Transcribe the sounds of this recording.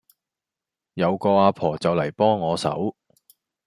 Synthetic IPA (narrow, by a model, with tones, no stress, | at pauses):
jɐ˨˧wkɔː˧aː˧pʰɔː˨˩t͡sɐ˨wlɐ˨˩jpɔː˥ŋːɔː˨˧sɐ̰˨˥w